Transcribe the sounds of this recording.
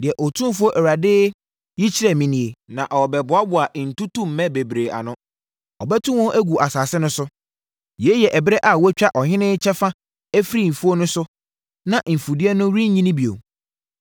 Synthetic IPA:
dɪ˨ɛ˨ʔɔ˨tʰũ˦m˦fʊ˦o˦ʔɛ˨wɾa˨dɪ˦ | ji˦t͡ɕʰi˦ɾɛ˨mĩ˨nĩ˨e˨nã˨ʔɔ˨bɛ˨bʊ˨˦a˦bʊ˨a˨ʔn̩˨tu˦tʰũ˦m̩˨˦mɛ̃˦be˨bɾe˨ʔa̰˨nʊ̃˦ | ɔ˨bɛ˦tʰũ˦wɔ̃˦ʔæ˦ɡu˨ʔa˨saː˨sɪ˦nʊ̃˦sʊ˦ | jɛ˨˦jɛ˨ʔɛ˨bɪ˦ɾɛ˦ʔa˨wɔ˦t͡ɕᶣa˦ʔɔ˨ɦɪ̃˦nɪ̃˦t͡ɕʰɛ˦fa˦ | æ˦fɾi˦˨m̩˨fu˦o˦nʊ̃˦sʊ˦ | nã˨ʔm̩˨fu˨dɪ˦ɛ˦nʊ̃˦ɾĩ˦ɲ˦ɲĩ˦nĩ˦bi˨o̰˨

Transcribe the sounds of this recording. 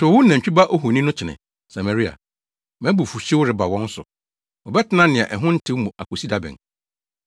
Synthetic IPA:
tʰʊ˨wʊ˦nã˨t͡ɕᶣi˦ba˦ʔo˦ɦu˨nĩ˦nʊ̃˦t͡ɕʰɪ˨nɪ̰̃˨ | sa˨ma˨ɾi˦a̰˨ | mɛ̃˦bu˨fu˨ɕɪ˦wʊ˦ɾɪ˨ba˨wɔ̃˦n˦sʊ̰˨ | ɔ˨bɛ˦tʰɪ˦nã˦nɪ̃˨ã˨ʔɛ˨ɦʊ̃˦n̩˦tʰɪ̃˦wmũ˨a˨ko˨si˦da˦bɪ̰̃˨

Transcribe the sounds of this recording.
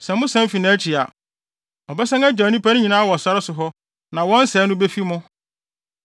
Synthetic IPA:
sɛ˨mʊ̃˦sɛ̃˦m˦fi˨nã˨˦t͡ɕʰi˨a̰˨ | ɔ˨bɛ˦sɛ̃˦æ˦d͡ʑa˨nĩ˦pʰæ˦ñ˦ɲĩ˨nãː˦wɔ˨sa˦ɾɪ˦sʊ˨ɦɔ˦ | nã˨wɔ̃˦n̩˦sɛ˨˦nʊ̃˦be˦fi˦mʊ̃˦

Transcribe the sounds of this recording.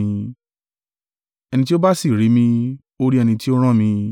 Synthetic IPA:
ĩ˧ | ɛ˧ñĩ˧ti˦o˦ba˦si˦˨ɾi˨˦mĩ˧ | o˦ɾi˦ɛ˧nĩ˧ti˦o˦ɾ̃ã˦˨mĩ˧

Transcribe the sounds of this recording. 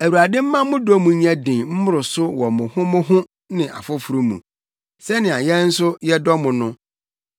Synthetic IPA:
æ˨wa˨dɪ̃˦m̩˦mã˦mʊ̃˦dɔ˦mũ˨˦ɲæ̃˦dɪ̃˨m̩˦mʊ̃˦ɾʊ˨sʊ˦wɔ˨mʊ̃˨hʊ̃˦mʊ̃˦ɦʊ̃˦ | nɪ̃˨ʔa̰˨fʊ˦fu˨ɾu˦mṵ̃˨ | sɛ˦nɪ̃˨a˨jɛ˦n̩˦sʊ˦jɛ˦dɔ˦mʊ̃˨nʊ̃˦

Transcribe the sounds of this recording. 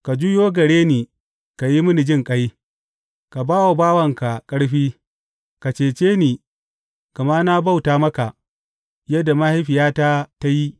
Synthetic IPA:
ka˨d͡ʒu˦joː˦ɡɐ˨ɽeː˦niː˨ | ka˨ji˦mʊ˦ni˨d͡ʒɪ˦ŋkʼɐ˦j | ka˨baː˦wo˨baː˦wɐ˨ŋka˨kʼɐ˦ɽɸiː˦ | ka˨t͡ʃeː˨t͡ʃeː˦niː˨ | ka˨maː˦na˦ba˦˨wtaː˨mɐ˦ka˨ʔ | jɐ˦da˨ma˦hi˦ɸɪ˨jaː˦taː˦ta˦ji˦

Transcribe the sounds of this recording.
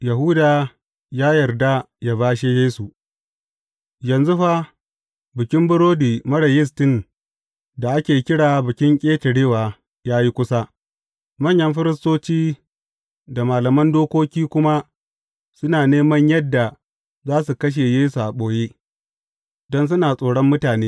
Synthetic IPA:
jɐ˨ɦuː˦daː˨ | jaː˦jɐ˨rda˦ | ja˦baː˦ʃe˦jeː˦su˨ | jɐ˨nzu˦ɸa˦ | bɪ˨kʲɪ˦mbʊ˦ɽoː˦diː˨mɐ˦ɽɐ˨jɪ˦s̬tɪ˦˨n | da˨ʔa˦kʲeː˨˦kʲɪ˦ɽaː˨bɪ˨kʲɪ˦ŋkʲʼeː˦tɐ˨ɽeː˦waː˨ | jaː˦ji˦kʷʊ˦sa˦ | mɐ˦˨ɲjɐ˦mɸɪ˦ɾɪ˦stoː˦t͡ʃiː˦ | da˨maː˨lɐ˨mɐ˦ndoː˦kʷoː˦kʲiː˦kʷʊ˦ma˦ | sʊ˦naː˨neː˦mɐ˦ɲjɐ˦dːa˨ | zaː˦su˨kɐ˦ʃ̬e˨jeː˦su˨ʔa˨ɓoː˨jeː˦ | dɔ˦ns̬ʊ˦naː˨sʼoː˨ɽɔ˦mːʊ˦taː˨neː˦

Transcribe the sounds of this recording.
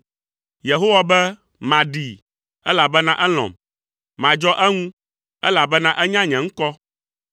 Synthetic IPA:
je˨ɦo˦wa˨bɛ˦ | mã˨ɖi˨ | ɛ˦la˨bɛ˦nã˦ʔɛ˦l̃ɔ̰̃˨m | mã˨d͡ʒɔ˦ʔɛ˦ŋũ˦ | ɛ˦la˨bɛ˦nã˦ʔɛ˦ɲã˦ɲɛ̃˨ŋ̩˦kɔ˦

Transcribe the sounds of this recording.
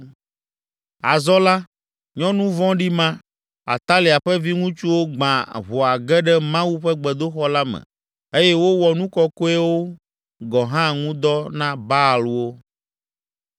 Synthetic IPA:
a˨zɔ˦la˦ | ɲɔ̃˦nũ˦vɔ̃˦ɖi˦mã˦ | a̰˨t̪a˦li˨a˨ɸɛ˦vi˦ŋũ˦t͡ʃu˦wo˦ɡ͡bã˨βɔ˨a˨ɡɛ˦ɖɛ˦mã˦wu˦ɸɛ˦ɡ͡bɛ˨d̪o˦xɔ˦la˦mɛ̰̃˨ | e˦jɛ˦wo˦wɔ˨nũ˦kɔ˦ko˦ɛ˦wo˦ | ɡɔ˨ɦã˦˨ŋũ˦d̪ɔ˦nã˦ba˦˨lu˦wo˦

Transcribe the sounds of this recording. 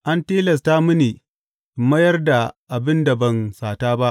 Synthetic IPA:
ʔa˦nteː˦lɐ˨s̬ta˦mʊ˦niː˨ | mɐ˦jɐ˦rda˨ʔa˨bɪ˦nda˨bɐ˨nsaː˨taː˦ba˦ʔ

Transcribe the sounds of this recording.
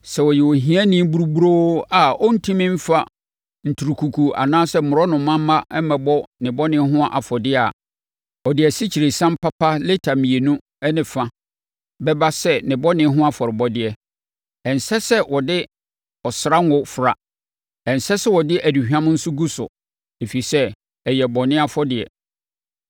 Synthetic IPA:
sɛ˨wɔ˨jɛ˨wɔ˨ɦĩ˦ã˦nĩ˦bu˦ɾu˦bu˦ɾo˦a˨ɔ˦n̩˦tʰĩ˦mɪ̃˦m̩˦fa˦ | n̩˨tʰu˨ɾu˨kʰu˨kʰu˨a̰˨nãː˦sɛ˦m̩˨mʊ̃˨ɾɔ˦nʊ̃˨mːã˦mː˦ã˦ʔɛ˦mɛ̃˨bɔ˦nɪ̃˨bɔ˦nɪ̃˦ɦʊ̃˦a˦ʔa˨fɔ˨dɪ˦a̰˨ | ɔ˨dɪ˨ɛ˨si˦t͡ɕʰi˨ɾe˨sã˦m˦pʰa˦pa˦le˦tʰa˨mĩ˨e˨nũ˦ | ɛ˦nɪ̃˨fã˦ | bɛ˦ba˦sɛ˦nɪ̃˨bɔ˦nɪ̃˦ɦʊ̃˦a˦fɔ˨ɾɪ˨bɔ˦dɪ˦ɛ˦ | ɛ̃˨n˨sɛ˦sɛ˦wʔɔ˨dɪ˦ | ɔ˨sɾa˦n˦wʊ˦fɾa˨ | ɛ˨n˨sɛ˦sɛ˦wɔ˨dɪ˦ʔæ˨di˨hᶣã˦m˦n̩˦sʊ˦ɡu˦sʊ̰˨ | e˨fi˨i˨sɛ˦ | ɛ˨jɛ˨bɔ˨nɪ̃˦a˦fɔ˦dɪ˨ɛ̰˨

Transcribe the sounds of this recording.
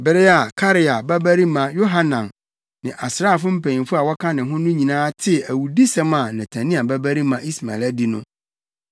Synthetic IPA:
bɪ˨ɾɪ˦a˨kʰa˦ɾɪ˨a˨bæ˦bæ˦ɾi˦mã˨jo˦ɦa˦nã˨n | nɪ̃˨ʔa˨sɾa˦˨fʊ˦m̩˦pʰɛ̃˨ɲĩ˨fʊ˦a˨wɔ˦kʰã˦nɪ̃˨ɦʊ̃˦nʊ̃˦ɲĩ˨nãː˦tʰɪ˦æ˨wu˨di˦sɛ̃˦ma˨nɪ̃˨tʰã˨nĩ˦a˨bæ˦bæ˦ɾi˦mã˨ʔi˦sma̰˨ɛ˨læ˦di˦nʊ̰̃˦

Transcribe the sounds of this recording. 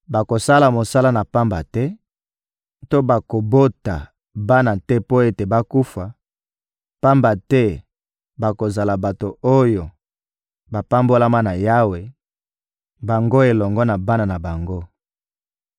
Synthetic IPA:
ba˨ko˨sa˦la˨mo˨sa˦la˦na˨pa˦mba˨tɛ˦ | to˦ba˨ko˨bo˦ta̰˨ | ba˦na˨tɛ˦po˦e˦te˨ba˦ku˦fa˨ | pa˦mba˨tɛ˦ | ba˨ko˨za˨la˨ba˨to˨o˦jo˨ | ba˨pa˦mbo˦la˦ma˦na˨ja˦we˨ | ba˨ŋɡo˦e˨lɔ˨ŋɡɔ˦na˨ba˦na˨na˨ba˨ŋɡo˦

